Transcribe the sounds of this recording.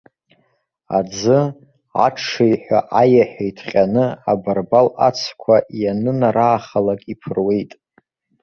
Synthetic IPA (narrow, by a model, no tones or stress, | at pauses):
a̰d͡zɨ | a̰ʈ͡ʂʰajħʷᶣa̰ʔajaħᶣajtʰqʲʼanɨabarbalat͡sʰkʷʰajanɨnaɾaːχalakʼipʰɨrwe̞jtʼ